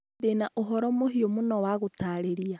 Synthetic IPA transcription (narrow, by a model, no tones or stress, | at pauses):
denaʔoɦɔɾɔmoɦiomonɔwaɣotaɾeɾia